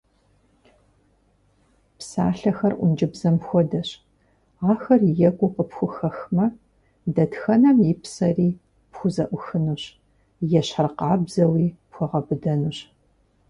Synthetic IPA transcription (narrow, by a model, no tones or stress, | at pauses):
psa̰ːɬɐxɐrʔʷʊ̰nd͡ʒɪbzɐmxʷɔdɐɕ | aːxɐrjɛɡʷʼʊqəpxʷʊxɐxmɐ | dɐdxɐnɐmipsɐriː | pxʷʊzɐʔʷʊxɨnuɕ | jɛɕħərqɑːbzɐwiːpxʷɔʁɐbɨdɐnuɕ